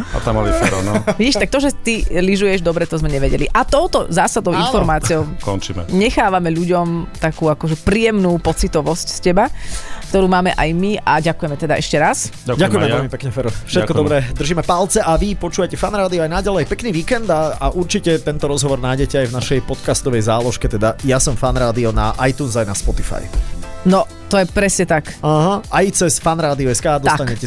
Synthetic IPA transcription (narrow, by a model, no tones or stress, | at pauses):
a̰t̪amalifɾɔ̰nʋɛiʃt̪ak̚t̪ɔʒɛt̪iliʒujɛʒd̪ɔbɾɛt̪ɔzmɛɲɛʋɛɟɛ̰lḭʔat̪ɔʊt̪ɔzaːsad̪ɔʊĩnfɔɾmaːt͡siɔʊkɔ̰nt͡ʃimɛ̰ɲɛxaːʋamɛʎuɟɔmt̪akuːakɔʒɛpɾiːjɛmnuːpɔt͡sit̪ɔʋɔscscɛbakt̪ɔɾuːmaːmɛʔajmiaɟakujɛmɛt̪ɛd̪aʔɛʃcɛɾas | akɟakɛkujɛmɛɛlmipɛkɲɛfɛɾɔfʃɛt̪kɔd̪ɔbɾɛd̪r̩ʒiːmɛpalt͡sɛʔaʋipɔt͡ʃuːʋacɛfanɾaːd̪iɔajnaɟalɛjpɛkniːʋiːkɛnd̪aaʔuɾt͡ʃicɛt̪ɛnt̪ɔɾɔzɦɔʋɔɾnaːjɟɛcɛajvnaʃɛjpɔt̪kast̪ɔʋɛjzaːlɔʃkɛt̪ɛd̪ajasɔmfanɾaːd̪iɔnaʔajt̪uːnzajnaspɔt̪ifa̰jnɔ | t̪ɔjɛpɾɛsɲɛt̪akaɦaajt͡sɛsfanɾaːd̪iɔɛskaːd̪ɔsat̪aɲɛcɛ